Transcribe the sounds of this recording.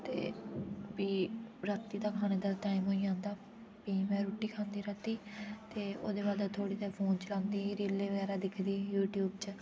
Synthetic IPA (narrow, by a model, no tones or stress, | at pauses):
t̪ḛːbiːɾat̪ːiːt̪ãːkʰaːneːd̪aːʈaːɪmɦoːiːãːnd̪aː | biːmɛ̃ːɾoːʈiːkʰãːnd̪iːɾəːt̪iːt̪eːo̰ːd̪eːbaːd̪at̪ʰoːɽiːt̪eːɾpʰoːnt͡ʃəlãːnd̪iːɾiːleːʋəɡɛːɾaːd̪ɪkʰd̪iːjuːʈjuːbt͡ʃ